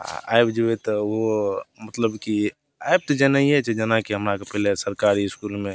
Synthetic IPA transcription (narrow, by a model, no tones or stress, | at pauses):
a̰a̰ɪbd͡ʒəet̪ʋomət̪ləbki | aɪb̚t̪od͡ʒenaiɦɛt͡ʃed͡ʒenakiɦəmɾakepɛɦlesəɾkaːɾiɪskuːlmẽ